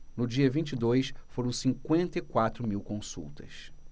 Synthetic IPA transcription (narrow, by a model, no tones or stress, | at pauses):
nʊd͡ʒiɐvĩt͡ʃid̪ojsfoɾɐ̃w̃sĩŋkwẽnt̪ɐɪkwat̪ɾʊmiwkõsṵwt̪ɐ̰s